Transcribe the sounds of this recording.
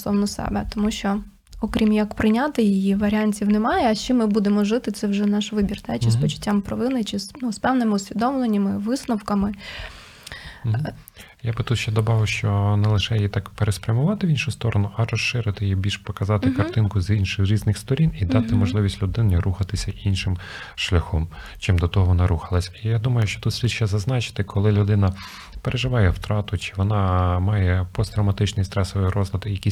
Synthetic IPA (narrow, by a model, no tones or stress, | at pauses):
sɔwnɔsɛ̰bɛt̪ɔmuʃt͡ʃɔ | ɔkɾʲimjɐkpɾɪnʲat̪ɪjijiʋɐɾʲɪanʲtʲiwnɛmɑjɛɐʃt͡ʃimɪbud̪emɔʒɪt̪ɪt̪sɛwʒɛnɑʃʋɪbʲirt̪ɛt͡ʃɪspɔt͡ʃʊ̥tʲːampɾɔʋɪnɪt͡ʃɪsnuspɛwnɪmɪʊsʲʋʲid̪ɔmlˠenʲːɐmɪʋɪsnɔwkɐmɪ | jabɪt̪ut̪ʃt͡ʃɛd̪ɔbɑʋɪwʃt͡ʃɔnɛlˠɪʃɛjjit̪ɑkpeɾespɾʲɐmʊʋɑt̪ɪʋʲinʃʊst̪ɔɾɔnʊʔɐrɔʃːɪɾɪt̪ɪjibʲilʲʃpɔkɐzɑt̪ɪkɐrt̪ɪnkʊzinʃɪxɾʲiznɪxst̪ɔɾʲinid̪ɑt̪ɪmɔʒlˠɪʋʲisʲtʲlʲʊd̪ɪniruxɐt̪ɪsʲɐʔinʃɪm | ʃlʲɐxɔm | t͡ʃɪmd̪ɔt̪ɔɦɔʋɔnɑɾuxɐlˠɐsʲɐijad̪umɐjʊʃt͡ʃɔ̥t̪ut̪sʲʋʲid̪ʃɛzɐznɑt͡ʃɪ̥t̪ɪkʰɔlˠɪlʲʊd̪ɪnɐ | peɾʔeʒɪʋɑjɛwt̪ɾɑt̪ʊt͡ʃɪ̥ʋɔnɑmɑjɛpɔst̪ɾɐwmɐt̪ɪt͡ʃnɪjst̪ɾɛsɔʋɔjɾɔzlʲˠɐd̪ɪjɐkʲi